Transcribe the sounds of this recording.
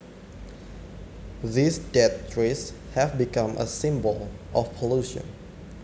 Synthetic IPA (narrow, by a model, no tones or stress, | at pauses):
ðisdɛttʰɹes | hɛvbikãmʔə̰sɪ̃mbəl | ʔɔfpʰɔluʃə̰̃n